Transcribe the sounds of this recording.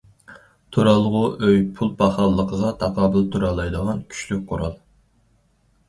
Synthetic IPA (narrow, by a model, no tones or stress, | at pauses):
t̪ʰoɾɑlˠʁʊʔøjpʰulˠpʰɑχɑlˠːəqʰəʁɑt̪ʰɑqʰɑːbɨlˠt̪ʰuɾɑlˠːɑjd̪əʁɑnkʲʰy̥ʃlyk̚ʲqʰoɾɑlˠ